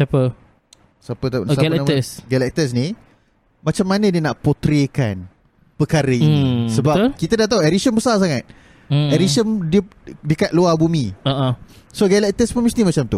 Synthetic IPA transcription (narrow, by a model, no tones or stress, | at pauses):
sapə | sapət̪asaalɛnaməsɡalɛk̚t̪əs̬ni | mat͡ʃamːanədiənaʔpot̪ɾeka̰n | pəkaɾəinisəbbakit̪ədaht̪auɛɾisənbəsas̬aŋat̪̚ | ɛɾisəndiədikat̪̚luabumiaʔasoɡalɛk̚t̪əspəmisnimat͡ʃamt̪u